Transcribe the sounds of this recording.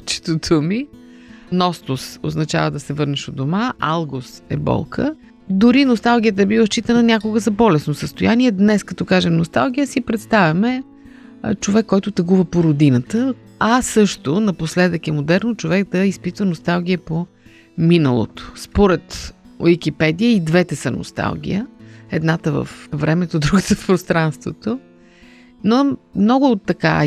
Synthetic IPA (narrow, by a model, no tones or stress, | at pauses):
t͡ʃɛ̥t̪ot̪ʰomi | nɔst̪ʊso̰znɐt͡ʃa̰vəd̪ɐsɛvɤɾnɛʃod̪omaʔa̰lˠɡosɛ̰bɔ̰lˠkʰə̰ | d̪ʊɾinost̪alˠɡʲijət̪əɛbivˠəst͡ʃit̪ənɐnʲakʊɡəzɐbɔlɛsnosəst̪ojaniɛd̪nɛskɐt̪ɔkaʒɛmnost̪alˠɡʲijəsipɾɛt̪st̪avʲɐmɛ | t͡ʃovɛkːɔjt̪ʊt̪əɡuvəpoɾod̪inət̪ə | ɐsɤʃt̪onɐposlɛd̪əkɛmod̪ɛɾnot͡ʃovɛkd̪ɐispit̪vənost̪alˠɡ̟ʲiəpo | minə̰lˠo̰t̪o̥spoɾɛt̪o̰jik̟ʲipɛd̪ijəid̪vɛt̪ɛsəno̰st̪a̰lˠɡ̟ʲḭjəɛd̪nat̪əvə̰fvɾɛmɛt̪od̪ɾuɡət̪əfpɾost̪ɾanst̪vot̪o | nomnɔɡʊːt̪ːɐka̰